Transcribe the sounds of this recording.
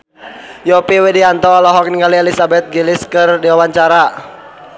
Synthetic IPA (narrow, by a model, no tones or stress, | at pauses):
jɔpiwɛdiant̪ɔlɔɦɔk̚niŋɡaliɛlisabɛt̪̚ɡiliskɨrdiwawaɲt͡ʃaɾa